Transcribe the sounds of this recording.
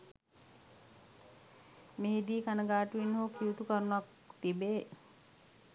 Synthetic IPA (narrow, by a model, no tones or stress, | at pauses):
meɦid̪iːkanəɡaːʈuʋinːɦuːkʰiut̪ukəɾunuak | t̪ibeː